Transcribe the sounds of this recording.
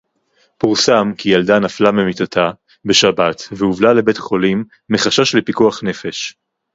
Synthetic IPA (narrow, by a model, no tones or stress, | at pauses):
puʁsamkijaldanaflamemitatʰa | be̞ʃabatveuvlale̞betχo̞limː | eχaʃaʃlepikuaχne̞fe̞ʃ